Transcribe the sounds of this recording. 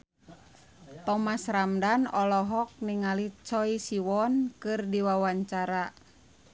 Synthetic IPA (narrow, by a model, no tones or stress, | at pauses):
t̪ɔmasɾamdanɔlɔɦɔk̚niŋalit͡ʃɔisiwɔnkɨrdiwawaɲt͡ʃaɾa